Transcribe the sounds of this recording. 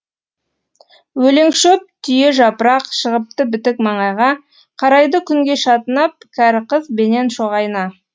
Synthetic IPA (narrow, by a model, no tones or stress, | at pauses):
wɵle̞ŋʃɵp̚t̪ʰʏjeʒɑpəɾɑqʃəʁəp̚t̪əbɪt̪ɪk̚mɑɴɑjʁɑ | qʰɑɾɑjd̪əkʲʰʏŋɡʲe̞ʃɑt̪ənɑp̚kʲʰæɾqəzbe̞ne̞nʃo̞ʁɑjənɑ